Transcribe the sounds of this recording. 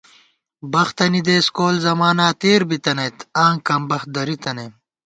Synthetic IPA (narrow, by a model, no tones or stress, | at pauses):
bɐxt̪ɐnid̪eːskoːlzɐmaːnaːt̪eːɾbit̪ɐnɐjt̪ʰaːŋkɐmbɐx̚d̪ɐɾit̪ɐneː